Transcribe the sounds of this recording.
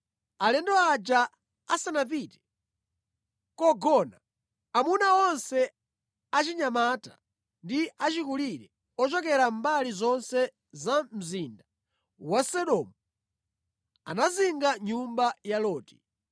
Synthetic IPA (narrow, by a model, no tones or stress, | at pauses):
alɛndɔad͡ʒa | asanapitɛ̥ | kɔɡɔna | amunaɔnsɛ | at͡ʃiɲamata̰ | ndiat͡ʃikuliɾɛ | ɔt͡ʃɔkɛɾambalizɔnsɛ | zam̩zinda | wasɔɗɔmu | a̰naziŋɡaɲumbajalɔːti̥